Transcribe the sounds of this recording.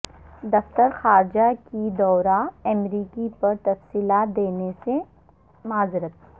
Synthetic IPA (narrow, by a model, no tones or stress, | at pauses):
d̪ɐft̪əɾxaːɾd͡ʒakid̪ɔːɾaɐmɾiːkipɐɾt̪ɐfsiːlaːt̪̚d̪eːnese | maːzɪɾət̪̚ʰ